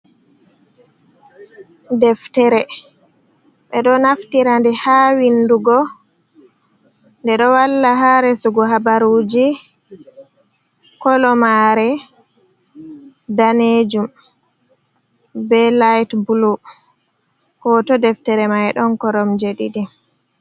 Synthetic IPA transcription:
dɛftɛɾɛ | ɓɛɗɔnaftiɾandɛhawinduɡɔ | ndɛɗɔwalːaɦaɾɛsuɡɔɦabaɾud͡ʒi | kɔlɔmaɾɛ | daned͡ʒum | bɛlajtbulu | kɔtɔdɛftɛɾɛmajɗɔnkɔɾɔmd͡ʒeɗidi

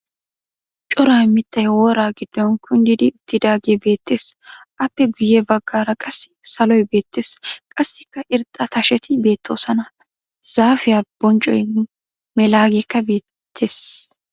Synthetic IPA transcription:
t͡ʃʼɔɾaːmɪt̪ːɐjwɔːɾaːɡɪd̪̥ːɔnkʰʊnd̪ɪd̪ɪʊt̪ːɪd̪aːɡebe̞ːt̪ːe̞ːsʔɐpːɛɡʊjɛbɐɡːaːɾɐkʼɐsːɪ̥sɐlɔjbe̞ːt̪ːe̞ːskʼɐsːɪkːɐʔɪɾt̪ʼːɐt̪ɐʃɛt̪ɪbe̞ːt̪ːo̞ːsɐnɐ | z̥aːfɪjab̥ɔnt͡ʃʼɔjn | mɛlaːɡekːɐbe̞ː | t̪ʰːe̞ːs

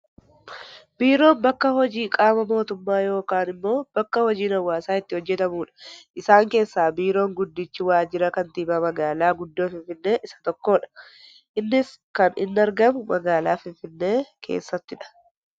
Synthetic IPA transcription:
b̥iːɾo̞ːmbɐkːɐhɔd͡ʒiːkʼaːmɐmo̞ːt̪ʊmːaːjo̞ːkaːnɪmːo̞ːb̥ɐkːɐhɔd͡ʒiːnɐwːaːsaːɪt̪ːɪhɔd͡ʒːɛt̪ɐmuːᶑɐ̥ʔɪsaːŋke̞ːsːaːbiːɾo̞ːŋɡʊd̪ːɪt͡ʃːɪwaːd͡ʒɪɾɐkɐnt̪iːbɐmɐɡaːlaːɡʊd̪ːoːfɪɱfɪnːe̞ːʔɪsɐ̥t̪ɔkːo̞ːᶑɐ̥ | ʔɪnːɪs | kɐnɪnːɐɾɡɐmʊmɐɡaːlaːfɪɱfɪnːe̞ːkʰḛːsːɐt̪ːɪᶑɐ̥

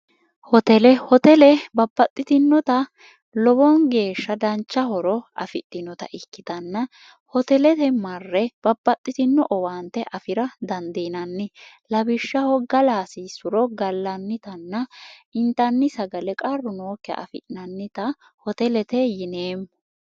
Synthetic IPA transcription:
hɔt̪ɛlɛhɔt̪ɛlɛbɐbːɐt̪ʼːɪt̪ɪnːɔt̪ɐ | lɔbɔnɡe̞ːʃːɐd̪ɐnt͡ʃːɐhɔɾɔɐ̰fɪt̪ʼːɪnɔt̪ɐ̰ʔɪkːɪt̪ɐnːɐ | hɔt̪ɛlɛt̪ɛmɐrːɛb̥ɐbːɐt̪ʼːɪt̪ɪnːɔʔɔwaːnt̪ːɛʔɐfɪɾɐd̪ɐnd̪iːnɐnːɪlɐbɪʃːɐhɔɡɐlaːsiːsʊɾɔɡɐlːɐnːɪt̪ɐnːɐɪnt̪ɐnːɪsɐɡɐlɛkʼɐrːʊnoːkːɛɐ̰ʔɐ̰fɪ̰ʔɪnɐnːɪt̪ɐ | hɔt̪ɛlɛt̪ɛjɪneːmːɔ

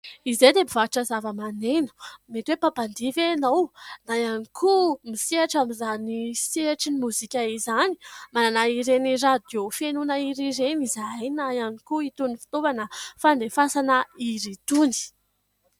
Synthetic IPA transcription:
ized̪ebivaʈ͡ʂəzavəmanenu̥met̪wepapand̪ivenownajanikʰumiseaʈ͡ʂamizaniseaʈ͡ʂinimuzikʲaizani̥mananaiɾenirad̪ofenunəiɾiɾenizajnajanikuit̪unifi̥t̪ovanəfand̪efasanəiɾit̪uni̥

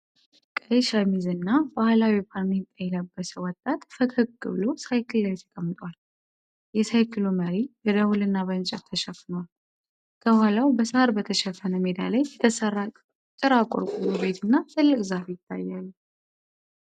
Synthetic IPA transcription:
kʼəjʃəmizɨnːabahlawipʰaɾnit̪ʼːajɛləbːəsəwɔt̪ʼːat̪fəkʰɨkːɨβɨlo̞sajkʰɨlːajt̪ʰə̥kʼəmːɨt̪ʼwal | jɛsajkʰɨluməɾibɛd̪əwulɨnːaβənt͡ʃʼɛt̪ʰːəʃɛfːnəwal | kʰəhalawbəshaɾbət̪ʰəʃɛfːənəmed̪a̰lajɛt̪ʰəsəra | t̪ʼːɨɾakʼo̰ɾkʼumube̞t̪ʰɨnːat̪ʰɨlːɨkʼzafjɪt̪ʰːa̰jːalːu

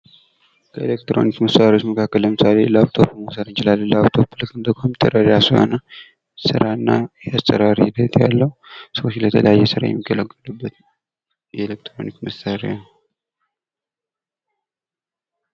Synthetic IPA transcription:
kʰəelek̚t̪ɾo̞̰nikməsaɾot͡ʃməkʰakːəlːəmɨsale̞ləaβt̪ʰopmosəɾɨnt͡ʃɪlalːəlaβt̪ʰopːɨlək̪ɨnd̪əkmomit̪ʰʼːəɾəɾasɨho̰nə | sɨɾaɨnːajɛast̪ʼəɾaɾihɪd̪ət̪ja̰lːəhusəwot͡ʃːlət̪ʰələjajːɛsɨɾa̰jɛ̰mːiɡːələɡːəlubːət̪ | jɛelek̚t̪ɾo̰nikməsaɾḛa

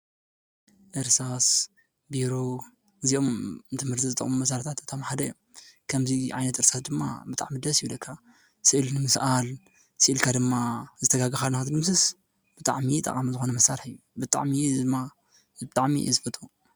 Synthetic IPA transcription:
ʔɨɾsas | biɾo | ɨziʔo̞mnt̪ʰɨmhɨɾt̪ʰizɨt̪ʼɐ̰χʼmumɐsaɾt̪ʰat̪ɨt̪ʰomħad̪ɐj | kʰɐmziʕa̰jnɐt̪ɨɾsasd̪ɨmːa̰bɨt̪ʼa̰ʕmid̪ɐsjulɐkʰːa | sɨʔɨlnɨmɨsʔal | sɨʔɨlkʰad̪ɨmːazɨt̪ʰɐɡaɡɨxalnɨxat̪d̪ɨmsɨs | b̥ɨt̪ʼa̰ʕmit̪ʼɐ̰kʼamzɨxo̞nɐmɐsːaɾħɨjːubɨt̪ʼa̰ʕmiɨmːa | bɨt̪ʼaʕmḭzɨfɐt̪ʼu

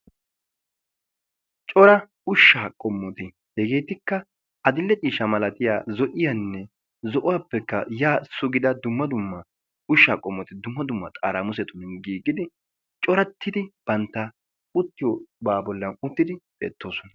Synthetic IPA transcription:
t͡ʃʼɔɾɐ | ʊʃːaːkʼɔmːɔt̪ɪ | hɛɡe̞ːt̪ɪkːɐ | ɐd̪ɪlːɛt͡ʃʼiːʃɐmɐlɐt̪ɪja̰ːzɔʔɪjɐnːɛ | zɔʔʊwaːpːɛkːɐjaːsʊɡɪd̪ɐd̪ʊmːɐd̪ʊmːɐ | ʊʃːaːkʼɔmːɔt̪ɪd̪ʊmːɐd̪ʊmːɐt̪ʼa̰ːɾamʊs̬ɛt̪ʊnnɡiːɡːɪd̪ɪ | t͡ʃʼɔɾɐt̪ʰːɪd̪ɪb̥ɐnt̪ːɐ | ʊt̪ːɪjobaːbɔlːɐnʊt̪ːɪd̪ɪbʼɛ̰ːt̪ːoːsɔnɐ

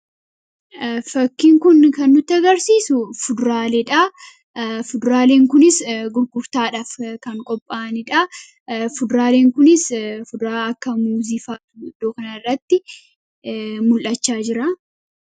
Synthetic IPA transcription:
fɐkːɪŋkʊnkɐnːʊt̪ːɐɡɐɾsiːsʊfʊd̪ʊɾaːleᶑɐ | fʊd̪ʊɾaːle̞ːŋkʊnɪsɡʊɾɡʊɾt̪aːᶑaːfkɐŋkʼɔpʼːaːnɪᶑɐ | fʊd̪ʊɾaːle̞ːŋkʊnɪsfʊd̪ʊɾaːɐkːɐmuːziːfaːt̪ʊd̪ːoːkɐnɐɪrːɐt̪ːɪ | mʊlʔɐt͡ʃːaːd͡ʒɪɾa

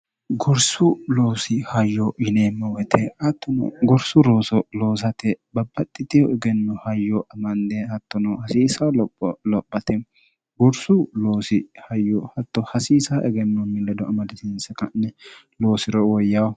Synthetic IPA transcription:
ɡɔɾsʊloːsɪhɐjːɔɪneːmːɛwɛt̪ʰɛhɐt̪ːɔnɐ̰ɡɔɾsʊɾo̞ːsɔlo̞ːs̬ɐt̪ɛbɐbːɐt̪ʼːɪt̪ɪjɔʔɛɡɛnːɔhɐjːɔʔɐmɐnd̪ɛhɐt̪ːɔnɐhɐsiːsɐwlɔpːɔlɔpʼːɐt̪ɛ | ɡɔɾsʊloːsɪhɐjːɔhɐt̪ːɔhɐsiːsaʔɛɡɛnːɔmɪlːɐd̪ɔʔɐmɐd̪ɪt̪ɪnsɛkɐnːɛ | loːsɪɾɔwɔjːɐwɐ

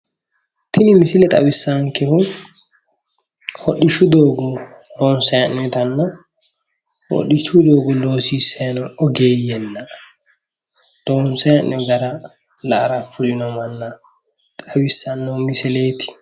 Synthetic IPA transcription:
tʰinimisilɛtʼa̰wisːaŋkɛfu | hoɗiʃudɔɡɔ | dɔnsɛnːɛtanːa | ho̰ɗːit͡ʃudɔɡɔloːsisɛnɔɔɡejɛnːa | d̥ɔnsɛnɛɡaɾa | laɾafuɾinɔmanːa | tʼawisːanːɔmisɛleːtʰi̥

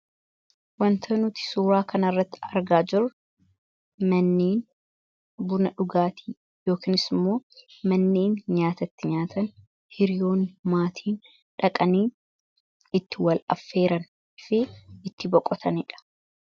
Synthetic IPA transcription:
wɐnt̪ʰɐnʊt̪ɪ̥suːɾaːkʰɐnɐrːɐt̪ːɪ̥ɐɾɡaːd͡ʒɪɾ | mɐnːeːn | bʊnɐᶑʊɡaːt̪ʰi̥ː | jo̞ːkiːnɪsɪmːo̞ːmɐnːeːnɲaːt̪ɐt̪ːɪɲaːt̪ʰɐn | hɪɾɪjo̞ːnmaːt̪ʰiːn | ᶑɐkʼɐniːn | ɪt̪ːɪwɐlɐ̰fːe̞ːɾɐn | ɪfɪɪt̪ːɪbɔkʼːɔt̪ʰɐnɪᶑɐ̥

